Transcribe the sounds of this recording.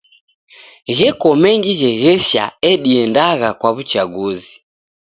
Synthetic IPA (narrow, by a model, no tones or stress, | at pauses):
ɣɛkɔmɛŋɡiɣɛɣɛʃa̰ɛɗiɛndaɣakwaβut͡ʃaɡuzi